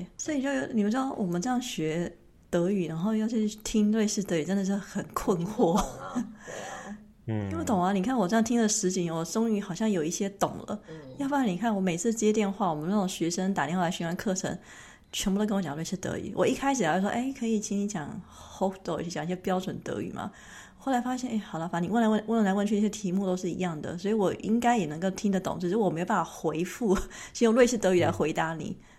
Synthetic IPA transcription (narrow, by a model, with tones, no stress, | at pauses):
sɔ˧˥i˨˩t͡ɕjo˥˧ʊjʊni˨˩pu˥ʈ͡ʂɻɑ˥˩wɔ˨˩mə˦nʈ͡ʂɤ˥˧jɑ˥˩ŋɕɥɛ˧˥ | t̪ɤ˧˥y˨˩na˧˥ŋxo˥˧ʊjɑ˥˧ʊt͡ɕʰy˥˧˩y˥˧˩t̪ʰi˥ŋlwe˥˧ɪʂɻ̩˥˩t̪ɤ˧˥y˨˩ʈ͡ʂə˥nd̪ə˨˩ʂɻ̩˥˩xə˨˩nkʰwə˥˧nxwɔ˥˩ | o˥˩t̪ʊ˨˩ŋɐ˧˦ni˨˩kʰa˥˩nwɔ˨˩ʈ͡ʂjŋt̪ʰi˥ŋd̪ə˨ʂɻ̩˧˥t͡ɕi˧˥ŋwɔ˨˩ʈ͡ʂʊ˥ŋy˧˥xɑ˨˩ʊɕjɑ˥˩ŋjo˨˩ʊi˥˩ɕjɛ˥t̪ʊ˨˩ŋlə̰˦jʊfa˥˩˥ni˨˩kʰa˥˩nwɔ˧˥me˨˩ɪt͡sʰɹ̩˥˩˥t͡ɕjɛ˥t̪jɛ˥˧nxwa˥˩wɔ˨˩mə˦n˥˩ʈ͡ʂo˨˩ŋɕɥɛ˧˥ʂə˥ŋt̪a˨˩ɾji˥˧ŋxla˧˥ɕɛ˧˥wa˥nkʰɤ˥˩ʈ͡ʂʰə̰˧˥ŋ | t͡ɕʰɥɛ˧˥nbu˧˩˥kə˥nwɔ˧t͡ɕjɑ˨˧lwe˥˧ɪʂɻ̩˥˩t̪ɤ̰˧˥y̰˨˩˦wʔɔ˨˩i˥˩kʰa˥ɪʂ̬ɻ̩˨˩ljo˥˩ʂwɔ˥ʔe˥˩ɪkʰɤ˧˥i˨˩t͡ɕʰi˧˥ni˧˥t͡ɕjɑ˨˩ŋ | xo˥ʊt̪o˥˩ʊi˥˩˥t͡ɕjɑ˨ŋi˥˩ɕjɛ˥pjɑ˥ʊʈ͡ʂwə˨˩nt̪ɤ̰˧˥y̰˨˩mɐ̰˦ | xo˥˩ʊla˧˥ɪfa˥ɕ̬jɛ˥˩ne˥˩ɪxɑ˨˩ʊlə˦˩fa˧˥ni˨˩wə˥˩nla˧˥wə˥˧wə˥˩wla˧˥wə˧t͡ɕʰy˥˧n˥˩jɛ˥t̪ʰi˧˥mu˥˧˩t̪o˥ʊʂ̬ɻ̩˥˩ḭ˧˥jɑ˥˩ŋd̪ə̰˩swɔ˧˥i˨wɔ˨˩ʔi˥ŋka˥ɪjɛ˨˩nɤ˧˥ŋko˥˩ʊt̪ʰi˥ŋd̪ə˨t̪ʊ̰˨˩˦ŋt͡ɕʰi˧˩˥wme˧˥o˧˩a˥˩a˨˩xwe˧˥ɪfu˥˩ | t͡ɕjo˥˧ŋlwe˥˧ʂʰɻ̩˥˩t̪ɤ˧˥y˨˩la̰˧˥ɪxwe˧˥ɪt̪a˧˥nḭ˨˩˦